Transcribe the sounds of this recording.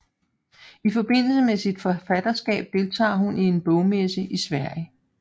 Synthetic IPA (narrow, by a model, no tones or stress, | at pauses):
ifɒ̽b̥e̝n̰l̩səmesid̥fɒ̽fæd̥ɐsɡ̥ɛ̰ːb̥̚d̥e̝lt͡sʰɑ̰̈ːɦunie̝nb̥ɔʊmesəʔisʋæɐ̰jə